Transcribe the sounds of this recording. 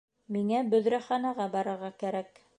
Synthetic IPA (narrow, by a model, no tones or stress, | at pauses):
miŋæbɵ̆ðɾæχɑnɑʁɑbɑɾɤ̆ɾʁɑkæɾæk